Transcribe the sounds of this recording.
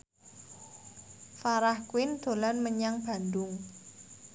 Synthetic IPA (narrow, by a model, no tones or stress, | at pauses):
faɾahkuwɪnd̪̥o̤lanməɲaŋb̥a̤nd̪ʊŋ